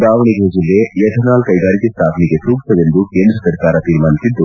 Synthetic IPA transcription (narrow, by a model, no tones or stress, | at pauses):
d̪aːʋɐɳiɡed͡ʒilːejɐʈ̪ʰɐnaːlkɐjɡaːɾikist̪ʰaːp̪niɡet̪ɾuːksɐʋend̪ukeːnd̪ɾɐsɐɾkaːɾɐt̪iːɾmaːnisid̪ːu